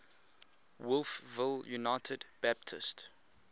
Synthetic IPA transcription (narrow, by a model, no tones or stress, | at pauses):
wʊlˠfvɪljunaɪtʰədbæp̚tʰɪ̰st